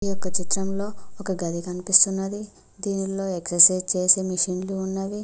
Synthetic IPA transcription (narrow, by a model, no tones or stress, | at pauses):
ijɔkːɐt͡ʃit̪ɾɐmlo̞ːɔkɐɡɐd̪ikɐnipist̪unːɐd̪i | d̪iːnilo̞ːeksɐɾsɐjd͡ʒt͡ʃeːseːmiʂinluːnːaːʋi